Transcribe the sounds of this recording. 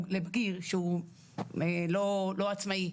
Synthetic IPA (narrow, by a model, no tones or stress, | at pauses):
lebɡiʁʃeu | elolo̞at͡smai